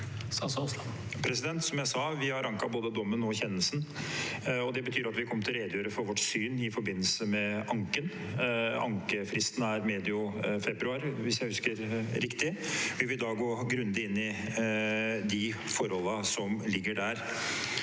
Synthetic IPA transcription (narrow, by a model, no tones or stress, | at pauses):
sɑssɑ | pʰɾɛsɪd̪ɛnt̪sɔmjæɪsɑʋɪhɑɾɑŋkɑboːd̪əd̪ɔmːənɔçɛnːəlsn | ɔd̪ɛbət̪ʰyːɾɑt̪ʋɪkʰɔmːəʈ̪ʰɪlɾeːd̪jøːɾəfɔɾʋɔʈsyːnɪfɔɾbɪnːəlsəmɛʔɑŋkən | ɑ̰ŋkəfɾɪst̪n̩æɾmeːd̪ɪʊfɛbɾʉɑːɾʋɪsjæɪhʉskəɾɾɪkt̪ɪʋɪʋɪld̪ɑɡoːɡɾʉnd̪ɪɪnːɪ | d̪ɪfɔɾhɔlːəsɔmlɪɡːəɖæːɾ